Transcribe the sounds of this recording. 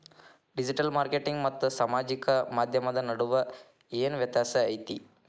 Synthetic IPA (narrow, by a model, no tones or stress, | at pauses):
ɖid͡ʒiʈɐlmaːɾkeʈiŋɡmɐt̪ːusɐmaːd͡ʒikɐmaːd̪ʱjɐmɐd̪ɐnɐɽuʋɐ | eːnʋjɐt̪jaːsɐɐjt̪i